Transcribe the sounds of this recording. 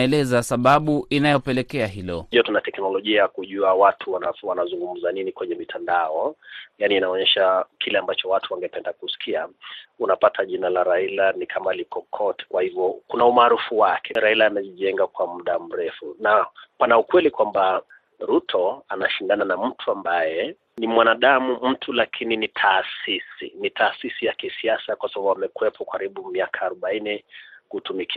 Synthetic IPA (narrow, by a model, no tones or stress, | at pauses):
ɛlɛzasaɓaɓuʔinajɔpɛlɛkɛaɦilɔ̰iatunatɛknɔlɔʄiajakuʄuawatʰuwanawanazuŋɡum̩zaninikwɛɲɛmitʰandaɔjaniːnaɔɲɛʃakʰilɛambat͡ʃɔwatʰuwaŋɡɛpɛndakusi̥kʰiaunapatʰaʄinalaɾailanikʰamalikɔkʰɔtɛ̥kwahivjɔkunaumaːɾufuwakʰɛɾailaːmɛʄiʄɛŋɡakwamuɗam̩ɾɛfunapanaukwɛlikwamba | ɾutʰɔanaʃindananam̩tʰuambajɛ | nimwanaɗamum̩tʰulakʰininitʰaːsisḭnitʰaːsisijakisiasakwasabaɓwamɛkuɛpʰɔkaɾiɓumiakʰaːɾɔɓainɛkutumikʰia